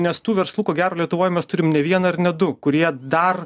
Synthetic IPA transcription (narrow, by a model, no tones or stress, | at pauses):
nʲɛst̪uːʋʲɛɾslˠuːkoːɡʲæːɾoːlʲiɛt̪ʊʋoːjmʲɛst̪ʊɾʲɪmnʲɛʋʲiɛnɐɪɾnʲɛd̪ʊkʊɾʲiɛd̪ɐr